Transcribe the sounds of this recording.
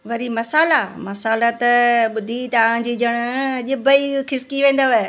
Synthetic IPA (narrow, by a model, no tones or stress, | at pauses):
ʋɐɾimɐsaːlamɐsaːlat̪ɓʊd̪ʱit̪ɐʋ̤ãd͡ʑiːd͡ʒɐɽ̃ʊʄɪbəikɪskiʋẽːn̆d̪aʋe